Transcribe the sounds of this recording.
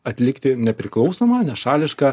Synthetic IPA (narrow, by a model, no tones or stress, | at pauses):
ɐt̪ʲlʲɪkt̪ʲɪnʲɛpʲɾʲɪklˠɒʊsoːmɑːnʲɛʃɑːlʲɪʃkɑː